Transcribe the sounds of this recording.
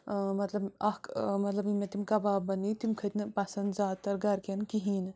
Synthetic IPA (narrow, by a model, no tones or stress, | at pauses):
mɐt̪lɐbɐhkmɐt̪lɐbmet̪imkɐbabɐnit̪imkʰɐt̪nɨpɐsɐnd̪zaːt̪ːɐɾɡɐɾkenkiɦin